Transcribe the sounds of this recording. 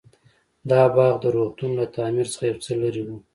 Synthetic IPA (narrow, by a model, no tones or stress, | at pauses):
d̪ɑbɑɣd̪əɾoχt̪unlat̪ɑmiɾt͡sə̥χajawt͡səlaɾiwu